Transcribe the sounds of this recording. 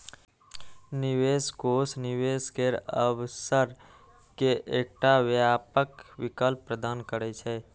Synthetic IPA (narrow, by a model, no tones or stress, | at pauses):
niʋeskosniʋeskeɾəwsəɾ | keʔek̚ʈaʋjapəkʋɪkəlpːɾəd̪aːnkəɾɛt͡ʃʰɛ